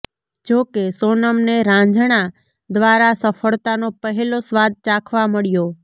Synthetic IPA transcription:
d͡ʒokesonəmneɾãd͡ʒɽ̃a | d̪ʋaɾasəfʰəɭt̪anopəɦelosʋad̪̚t͡ʃakʰʋaməɭjo

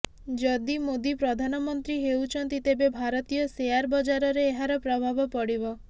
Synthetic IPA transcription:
d͡ʒɔd̪imod̪ipɾɔd̪ʱanɔmɔnt̪ɾiɦewt͡ʃʰɔnt̪it̪ebebʱaɾɔt̪ijɔsejaɾbɔd͡ʒaɾɔɾeːɦaɾɔpɾɔbʱabɔpɔɽibɔ

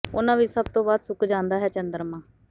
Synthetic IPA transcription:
ʊnãːʋiːsəb̚t̪õːbaːd̪sʊkʰd͡ʒãːnd̪aːɦɛːt͡ʃənd̪əɾmãː

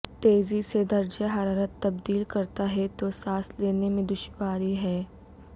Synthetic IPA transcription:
t̪eːzised̪ɐɾd͡ʒaɦɐɾaːɾət̪ːɐbd̪iːlkɐɾt̪aɦɛt̪osaːsleːnemẽd̪ʊʃwaːɾiɦɛː

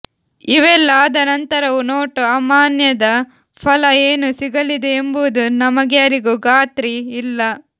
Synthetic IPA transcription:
iʋɛlːɐːd̪ɐnɐnt̪ɐɾɐʋunoːʈuɐmaːnjɐd̪ɐ | pʰɐlɐeːnusiɡɐlid̪eːmbuʋud̪unɐmɐɡjaːɾiɡuɡaːt̪ɾiːlːɐ

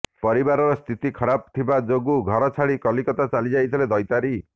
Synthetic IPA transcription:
pɔɾibaɾɔɾɔst̪ʰit̪ikʰɔɾab̚t̪ʰibad͡ʒoɡuɡʱɔɾɔt͡ʃʰaɽikɔlikɔt̪at͡ʃalid͡ʒajt̪ʰiled̪ɔjt̪aɾi

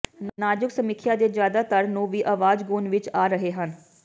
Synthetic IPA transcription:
nnaːd͡ʒɪksəmɪkʰjaːd̪eːd͡ʒjaːd̪aːt̪əɾnũːʋiːʔaʋaːd͡ʒɡuːnʋɪt͡ʃaːɾəɦeːɦən

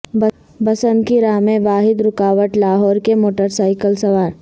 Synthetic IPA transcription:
b | bɐsənd̪kiɾaːmẽʋaːɦɪd̪ɾʊkaːʋəʈlaːɦɔːɾkemoːʈəɾsaːɪkəlsɐʋaːɾ

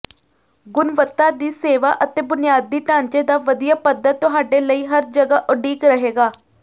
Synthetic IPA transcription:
ɡʊnʋət̪ːaːd̪iːseːʋa̰ːʔət̪eːbʊnɪjaːd̪ːiːʈ̪ãːɲt͡ʃeːd̪aːʋəd̪ɪjaːpəd̪ːət̪ːʊɦaːɖeːləiːɦəɾd͡ʒəɡaːʔʊɖiːkɾəɦeːɡaː

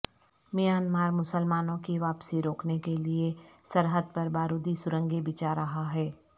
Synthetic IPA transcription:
mijaːnmaːɾmʊsəlmaːnõkiʋaːpsiɾoːknekeliesəɾɦəd̪̚pɐɾbaːɾud̪isʊɾə̃ŋɡebɪt͡ʃaɾɐɦaɦɛː

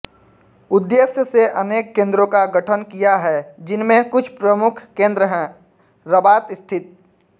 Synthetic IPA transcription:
ʊd̪ːesjəseʔɐneːkːẽːnd̪ɾõkaɡəʈʰənkijaɦɛd͡ʒɪnmẽkʊt͡ʃʰpɾəmʊkʰkẽːnd̪ɾəɦɛ̃ː | ɾəbaːt̪ɪst̪ʰɪt̪̚

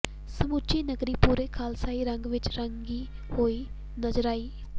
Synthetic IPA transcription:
səmut͡ʃiːnəɡɾiːpuːɾeːkʰaːlsaːiːɾə̃ŋɡʋɪt͡ʃɾəŋɡiː | hoːiː | nəzɾaːiː

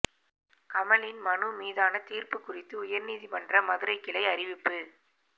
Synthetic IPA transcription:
kɐmɐlɪnmɐnɯmiːðaːnɐt̪iːrpɯkːʊrɪt̪ːɯʊjɐɾniːðipɐndrɐmɐðɯɾɐɪkːɪlɐɪɐrɪʋɪpːɯ

